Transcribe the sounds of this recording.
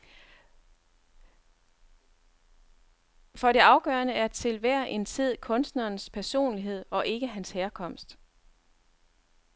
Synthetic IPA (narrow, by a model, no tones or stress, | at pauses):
fɒ̽ɾe̝ɑ̈ʊɡ̥ɶːɐnəæɐt͡sʰe̝lʋæɐ̰ʔe̝nt͡sʰið̞̰ˠkʰɔ̽nsd̥nɐːnspʰæɐso̝̰ːnliɦe̝ð̞̰ˠɒ̽ʔe̝ɡ̥əɦænsheːɐkʰɒ̽m̰sd̥